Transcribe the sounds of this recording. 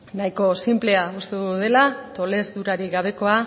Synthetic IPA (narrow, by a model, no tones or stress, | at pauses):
naiko̞simple̞aust̪eðuðe̞lat̪o̞le̞zd̪uɾaɾiɣaβ̞e̞ko̞a